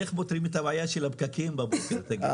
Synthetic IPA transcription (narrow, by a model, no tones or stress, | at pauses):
eχbot̪ʁimet̪abajaʃelabkakimbaboseʁt̪aɡ